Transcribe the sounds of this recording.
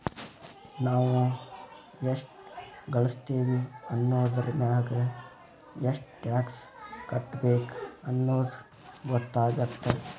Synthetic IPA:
naːʋu | eʂʈɡɐɭust̪eːʋiɐnːoːd̪ɐɾmaːɡe | eʂʈʈaːkskɐʈːbeːkɐnːoːd̪u | ɡɔt̪ːaːɡɐt̪ːe

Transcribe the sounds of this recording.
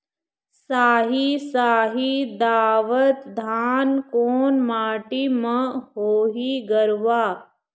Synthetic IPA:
saːɦisaːɦid̪aːʋət̪d̪ʱaːnkoːnmaːʈimɐɦoːɦiɡɐɾʋaː

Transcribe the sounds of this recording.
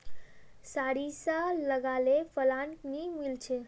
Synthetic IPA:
saɽisaləɡalepʰəlanʈnimilt͡ʃʰe

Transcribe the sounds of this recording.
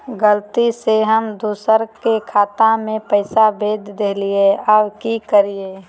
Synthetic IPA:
ɡəlt̪iseɦəmd̪uːsəɾkekʰaːt̪ãmẽpəɪsabeːd̪ʱd̪eːlieabkikəɾieː

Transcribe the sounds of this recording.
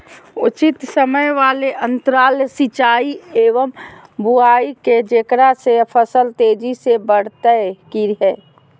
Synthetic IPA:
ʊt͡ʃɪt̪səməjʋaːleʔə̃nt̪əɾaːlsit͡ʃaːieːʋəmbuaːiked͡ʒekɾasepʰəsəlt̪eːd͡ʒisebəɽ̤t̪əkiɾɦɛː

